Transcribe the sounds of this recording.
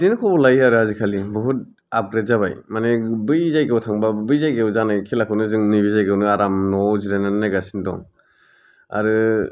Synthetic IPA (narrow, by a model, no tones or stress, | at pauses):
zinɯkʰɔbɔlajaɾɯhazikʰalibɔɦut̚ | ap̚ɡɾetzaβajmanebɯjzajɡewtʰaŋbabɯjzajɡewzanakʰelakʰɯwnɯzɯŋnibizajɡɯwnɯaɾamnɔziɾanannajɡasindɔ̰ŋ | a̰ɾɯ